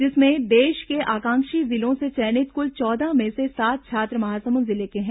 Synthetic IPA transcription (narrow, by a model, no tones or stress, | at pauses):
d͡ʒɪsmẽd̪eːʃkeʔaːkãːŋkʃizɪlõset͡ʃɛːnɪt̪̚kʊlt͡ʃɔːd̪amẽsesaːt̪̚t͡ʃʰaːt̪ɾəmɐɦaːsɐmuzɪlekeɦɛ̃ː